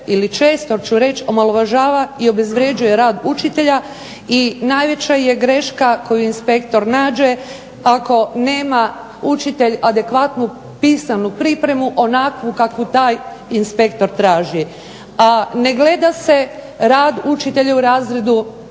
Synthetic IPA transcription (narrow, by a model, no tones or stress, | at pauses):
ilit͡ʃe̞ːst̪o̞t͡ʃuɾe̞t͡ʃo̞maloʋaʒaːʋaio̞be̞zʋɾje̞d͡ʒuje̞ɾaːd̪ut͡ʃit̪e̞ʎa | inaːjʋe̞t͡ɕaje̞ɡɾe̞ʃkako̞juinspe̞kt̪o̞ɾnaːd͡ʒe̞ | ako̞ne̞ːma | ut͡ʃit̪e̞ʎad̪e̞kʋat̪nu | piːsanupɾipɾe̞muʔo̞nakʋukakʋut̪aːjinspe̞kt̪o̞ɾt̪ɾaːʒi | ane̞ɡle̞d̪ase̞ | ɾaːd̪ut͡ʃit̪e̞ʎauɾaːzɾe̞d̪u